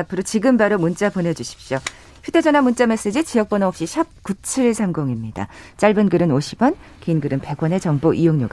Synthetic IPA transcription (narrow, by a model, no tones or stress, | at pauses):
apʰɯɾot͡ɕiɡɯmbaɾomunt͡ɕ͈apone̞d͡ʑuɕʰi̥p̚ɕ͈jo | çjude̞d͡ʑʌnɦamunt͡ɕ͈ame̞s͈ed͡ʑit͡ɕijʌk̚p͈ʌnaʌpɕ͈iɕʰʌp̚kut͡ɕʰɯɭsʰamɡoŋimɲida̰t͡ɕ͈aɭbɯnɡɯɾɯnoɕʰibʌn | keinɡɯɾɯnpe̞ɡwʌne̞t͡ɕʌŋboʔijoŋɲo̰ɡa